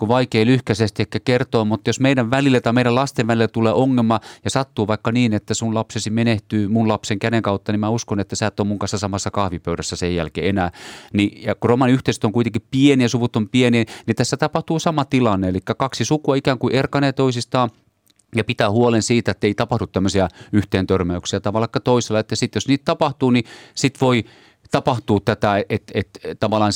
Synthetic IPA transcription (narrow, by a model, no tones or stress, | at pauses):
kuʋɑikeːlyhkæsest̪iekːækert̪oːmut̪ːɑjosmeiɾæʋʋælilːet̪ɑimeiɾælɑst̪eʋʋælilet̪uleːʔoŋːelmɑjɑsɑt̪ːuːʋɑikːɑniːnet̪ːæsunlɑpsesimeneht̪yːmunlɑpseŋkæɾeŋkɑˑut̪ːɑnimmæuskonet̪ːæsæːt̪ːoːmuŋkɑnsɑsɑmɑsːɑkɑhʋipøyɾæsːæsejjæ̰lkḛːenæːnijɑkuromɑniyht̪eist̪oŋkuit̪eŋkippienijɑsuʋut̪ːompieninit̪æsːæt̪ɑpɑht̪uːsɑmɑt̪ilɑnːeelikːækɑksisukuɑikæːŋkuʔerkɑneːt̪oisist̪ɑːn | jɑpit̪æːhuolensiːt̪æet̪ːeit̪ɑpɑhdut̪t̪æmːøsiæyht̪eːnt̪ørmæyksiæt̪ɑʋɑlːˑɑkːɑt̪oiselːˑɑet̪ːæsit̪josniːt̪t̪ɑpɑht̪uːnisit̪ʋoi | t̪ɑpɑht̪uːtt̪æt̪æeet̪et̪t̪ɑʋɑlˑɑːn